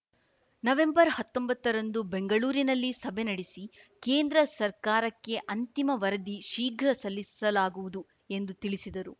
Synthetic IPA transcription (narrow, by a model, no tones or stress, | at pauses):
nɐʋe̞mbɐɾhɐt̪ːombɐt̪ːɐɾɐnd̪ube̞ŋɡɐɭuːɾinɐlːisɐbʱenɐɽisikeːnd̪ɾɐsɐɾkaːɾɐkːe̞ʔɐnt̪imɐʋɐɾɐd̪iʃiːɡʱɾɐsɐlːisɐlaːɡuʋud̪u | e̞nd̪ut̪iɭisid̪ɐɾu